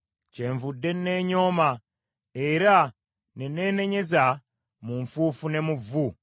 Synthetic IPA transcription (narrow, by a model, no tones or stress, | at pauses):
ceːɱvudːe̞nneːɲo̞ːma | eɾa | neneːne̞ɲe̞za | muɱfuːfune̞muvu